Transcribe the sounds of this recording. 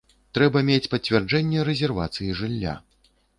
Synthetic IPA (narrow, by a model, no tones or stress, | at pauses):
t̪ɾɛbɐmʲet͡sʲpɐt͡sʲvʲɛrd͡ʐɛnʲːɛɾɛzʲɛrva̰t̪sɨjiʐɨlʲːa̰